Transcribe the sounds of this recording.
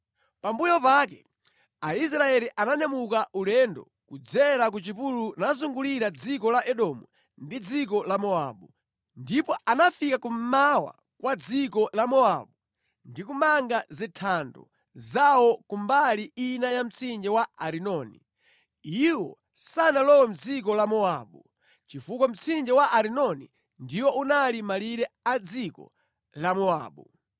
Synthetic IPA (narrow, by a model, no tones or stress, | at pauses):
pambujɔpaːkɛ | ais̬ɾaɛɾiʔanaɲamukaʔulɛndɔ̰ | kud͡zɛɾak̬ut͡ʃipulunazuŋɡuliɾad͡zikɔlaʔɛɗɔmu | ndid͡zikɔlamɔa̰ɓu | ndipɔanafikakum̩mawa̰ | kwad͡zikɔlamɔaɓu | ndikumaŋɡazitʰandɔ̰ | zawɔkumbaliinajam̩t͡sʰind͡ʒɛwaaɾinɔnḭ | iwɔ̰ | sanalɔwɛm̩d͡zik̬ɔlamɔaɓu | t͡ʃifukwam̩t͡sind͡ʒɛwaʔaɾinɔnḭ | ndiwɔunalimaliɾɛad͡zikɔ̰ | lamɔa̰ːɓu